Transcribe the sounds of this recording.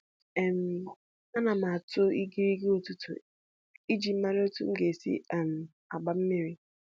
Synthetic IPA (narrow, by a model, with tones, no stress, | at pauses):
ɛ˨m˦ | a˦na˨ma˨a˨tʊ˦i˦ɡi˦ɾi˦ɡi˦o˦tu˦tʊ̰˨ | i˦d͡ʒi˨m̩˦ma˦ɾɪ˦o˦tʊ̰˦ŋ̩˦ɡe˨sḭ˦ɛ˦˨m̩˨ | a˨ɡ͡ba˨m̩˦me˦ɾi˨